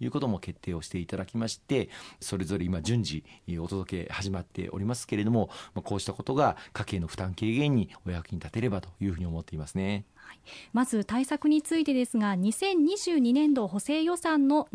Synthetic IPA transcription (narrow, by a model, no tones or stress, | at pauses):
jɯ̟ːko̞t̪o̞mo̞ke̞t̪ʰːe̞ːo̞ɕi̥t̪e̞it̪ad̪akʲimaɕi̥t̪e̞so̞ɾe̞zo̞ɾeimad͡ʑɨ̃ɲ̟d͡ʑio̞t̪o̞d̪o̞ke̞haʑimat̪ːe̞̰ʔo̞̰ɾʲimasɨ̥ke̞ɾe̞d̪o̞mo̞mako̞ːɕi̥t̪akot̪o̞ɡakake̞ːnoɸɯ̟̥t̪ãŋke̞ːɡẽ̞ɲ̟ːiojakɯ̟ɲ̟it̪at̪e̞ɾe̞bat̪o̞jɯ̟ːɸɯ̟ɲio̞mo̞t̪ːe̞imasɨne̞haimazɨt̪aisakɯ̟ɲ̟it͡sɨit̪e̞d̪e̞sɨɡaɲ̟isẽ̞ɲ̟ɲ̟iʑɨːɲ̟inẽ̞nd̪o̞ɦo̞se̞ːjo̞sãnːo̞